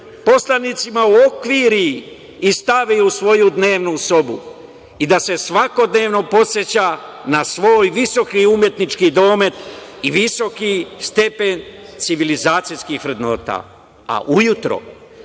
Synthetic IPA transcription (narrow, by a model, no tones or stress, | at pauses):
po̞slanit̪simauokʋiɾi | ist̪aʋiusʋo̞jud̪ne̞ːʋnuso̞bu | id̪ase̞sʋako̞d̪ne̞ːʋno̞po̞set͡ɕa | nasʋo̞ːjʋiso̞kiumje̞t̪nit͡ʃkid̪o̞ːme̞t̪iʋiso̞kist̪e̞pe̞nt̪siʋilizaːt̪sijskixʋɾe̞d̪no̞̰ːt̪a̰ː | a̰ʔujut̪ɾo̰